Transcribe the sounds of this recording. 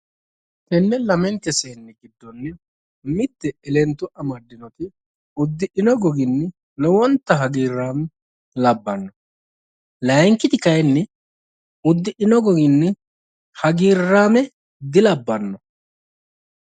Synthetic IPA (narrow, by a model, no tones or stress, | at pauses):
t̪ɛnːɛlɐmɛnt̪ːɛseːnːɛɡɪd̪ːɔnːɛ | mɪt̪ːɛɛlɛnt̪ːʊʔɐmɐd̪ːɪnɔt̪ɪ | ʊd̪ːɪʔɪnɔɡɔɡɪnːɛ | lɔwɔnt̪ːɐɦɐɡiːɾːaːmɛ | lɐbːɐnːɔ | lɐjŋkːɪt̪ɪkɐjnːɛ | ʊd̪ːɪʔɪnɔɡɔɡɪnːɛ | hɐɡiːrːaːmɛ | d̪ɪlɐbːɐnːɔ